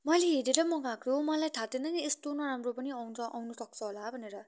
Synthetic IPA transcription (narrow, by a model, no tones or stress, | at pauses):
mʌleɦeɾeɾʌmʌɡãkʰomʌlajʈʰat̪enʌnest̪onʌɾamropʌniʌwʰʌʔawnusʌk̚t͡sʰʌɦolabʱʌneɾʌ